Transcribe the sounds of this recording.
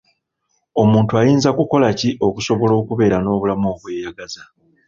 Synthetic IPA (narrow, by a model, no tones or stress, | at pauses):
o̞muːntuajiːnzakuko̞laciʔo̞kuso̞βo̞lo̞ːkuβe̞ːɾano̞ːβulamo̞ːβwe̞ːjaɡaza